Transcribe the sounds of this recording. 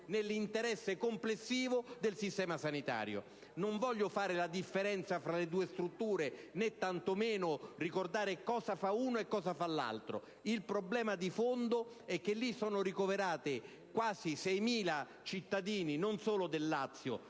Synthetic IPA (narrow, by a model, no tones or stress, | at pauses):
nelːint̪eɾɛsːekomplesːiːvod̪elsist̪ɛːmasanit̪a̰ːɾjo̰ | noɱvɔʎːofaːɾɪlad̪ifːeɾɛnt̪safɾaled̪uːest̪ɾut̪ːuːɾenet̪ːant̪omeːnʊrikord̪aːɾɪkɔːzafauːnoekːɔːzafalːa̰lt̪ɾo̰ | ilpɾoblɛːmad̪ifond̪o | ɛk̟ːelːisɔːnʊɾikoveɾaːt̪ɪ | kwaːzisɛjmiːla | t͡ʃit̪ːad̪iːninonsoːlʊd̪elːat̪sːjo̰